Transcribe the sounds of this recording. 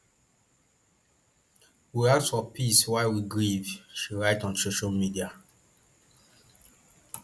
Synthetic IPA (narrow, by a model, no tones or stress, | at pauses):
wiasfɔpiswaɪwiɡɹivʃiɹaɪtɔ̃nsoʃalmidia